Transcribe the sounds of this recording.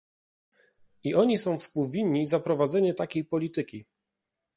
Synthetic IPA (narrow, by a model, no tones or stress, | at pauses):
iʔɔɲisɔ̃w̃fspuwvʲiɲːizapɾɔvad̪zɛɲɛt̪akʲejpɔlʲit̪ɘkʲi